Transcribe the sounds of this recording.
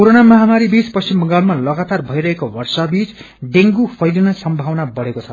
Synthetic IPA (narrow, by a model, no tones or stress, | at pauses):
koɾonamʌɦamaɾibispʌst͡ɕimbʌŋɡalmalʌɡat̪arbʱʌiɾʌɦekowʌrsʌbit͡s | ɖeŋɡupʰʌjlinʌsʌmbʱawnabʌɽekot͡sʰʌ